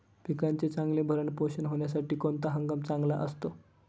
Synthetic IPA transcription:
pikɾant͡set͡saŋɡlebʱəɾəɳpoɕənɦoɳjasaʈiːkont̪aɦəŋɡəmt͡sãŋɡla̰ʔəst̪o

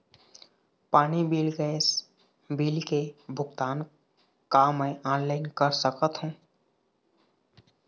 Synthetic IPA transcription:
paːnibilɡəes | bilkebʱʊɡt̪an | kamːẽʔanlaɪnkəɾsəkət̪ɦũ

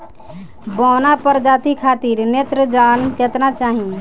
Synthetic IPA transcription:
bɔnapəɾd͡ʒat̪ikʰat̪iɾnet̪ɾəd͡ʒanket̪nat͡ʃaɦĩ

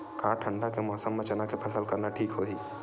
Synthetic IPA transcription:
kãːʈʰə̃ɳɖakemɔːsəmːẽt͡ʃɐnakepʰɐsəlkɐɾnaʈʰiːkɦoːɦiː

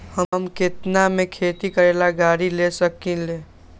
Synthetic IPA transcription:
həmket̪namekʰet̪ikəɾelaɡaɾilesəkile

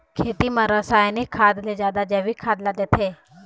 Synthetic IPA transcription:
kʰeːt̪imãɾəsaːjnikʰːaːd̪led͡ʒaːd̪ad͡ʒɐʋikʰaːd̪lad̪et̪ʰe

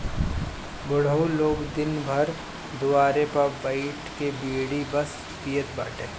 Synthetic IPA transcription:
bʊɽ̤əuloːɡd̪ɪnbʱɐɾ | d̪ʊaːɾepɐɾbaɪʈkebiːɽibɐs | pijət̪baːʈeː

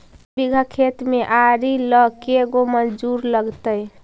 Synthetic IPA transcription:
biɡʱəkʰet̪meʔaɾiləkeɡomənd͡ʒuɾləɡt̪əj

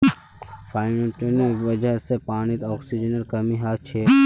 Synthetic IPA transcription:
fʰaːɪneʈoneʋɐd͡ʒəɦsepaːñɪt̪ɔːksid͡ʒənəɾkɐmiɦaːt͡ʃʰeː

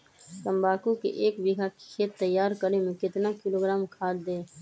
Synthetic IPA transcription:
sə̃mbʱaːkukḛʔeːkbɪɡʱakkʰeːt̪ːəjːaːɾkəɾemẽkɪt̪nakɪloːɡɾaːmkʰaːd͡ʒd̪eː

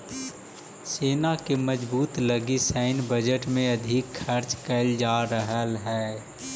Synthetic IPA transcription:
seːnakemɐd͡ʒbuːt̪lɐɡisɛɪnbəd͡ʒəʈmẽɐd̪ʱɪkʰːəɾt͡ʃkəld͡ʒaːɾəɦəlɦɛː

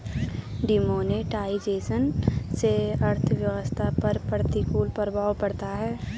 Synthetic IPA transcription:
ɖɪmoːneʈaːid͡ʒeːsənseəɾt̪ʰʋjəwəst̪ʰapəɾpəɾt̪ikuːlpəɾəbʱaːwpəɽt̪aɦɛː

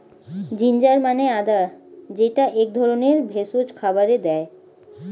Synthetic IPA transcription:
d͡ʑind͡ʑaɾmanead̪ad͡ʑeʈaʔek̚d̪ʱɔɾoneɾbʱesod͡ʑkʰabaɾed̪ɛe

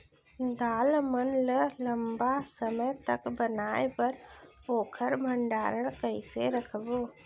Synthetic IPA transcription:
d̪aːlmənlələmbasəməjt̪əkbənaːepəɾ | oːkʰəɾbʱə̃ɳɖaːɾəɽ̃kəɪseɾəkʰboː

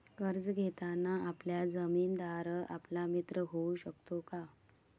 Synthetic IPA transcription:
kəɾd͡zɡʱet̪anːaapljad͡zəmiːnd̪aɾəʔa̰plamit̪ɾəɦouɕəkt̪oka

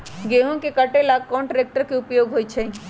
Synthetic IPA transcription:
ɡeɦõkekəʈelaːɡ̚kɔːɳʈɾeːk̚ʈəɾkeʊpjoːɡɦoːit͡ʃʰɛ

